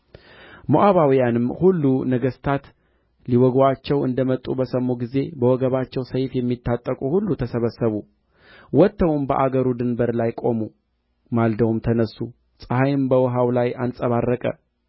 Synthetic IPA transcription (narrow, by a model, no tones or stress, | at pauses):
moʔaβawijanɨmhulːunəɡəst̪ʰat̪ | liwɔɡat͡ʃːɛwɨ̰nd̪əmət̪ʼːubəsəmːoɡize̞bəwɔɡəβat͡ʃːɛwsəjfjɛmːit̪ʰːat̪ʼːəkʼuhulːut̪ʰəsəβəsːəβu | wɔt̪ːəwɨmbə̰ʔaɡəɾud̪ɨnbəɾlajkʼo̞mu | mald̪əwumt̪ʰənəsːu | sʼəhajɪmbəwɔɦawlajansʼəβarːəkʼə̰